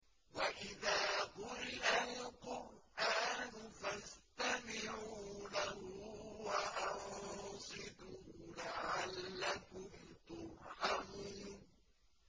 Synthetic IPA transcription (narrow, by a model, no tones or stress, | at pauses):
waʔɪðaːɣʊɾɪʔalqʊɾʔaːnʊfast̪amɪʕuuːlahuwaʔɑʕsˤɨd̪uːlaʕalːakʊmt̪ʊɾʔam